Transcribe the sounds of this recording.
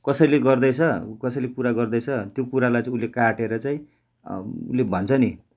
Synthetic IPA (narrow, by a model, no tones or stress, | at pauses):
kʌsʌjleɡʌrd̪ʌt͡sʰʌkʌsʌjlekuɾaɡʌrd̪ʌjt͡sʰʌt̪jokuɾalajt͡saĩulːekaʈeɾʌt͡saĩ | ulːebʱʌnt͡sʰʌni